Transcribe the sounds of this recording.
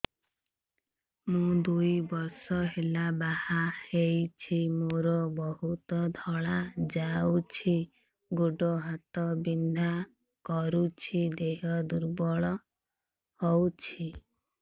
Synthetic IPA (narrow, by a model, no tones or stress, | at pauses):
mũd̪ujbɔɾsɔɦelabahahejt͡ʃʰimooɾɔbɔɦut̪ɔd̪ʱɔɭad͡ʒawt͡ʃʰi | ɡoɖɔɦat̪ɔbind̪ʱa | kɔɾut͡ʃʰid̪eɦɔd̪uɾbɔɭɔ | hɔwt͡ʃʰi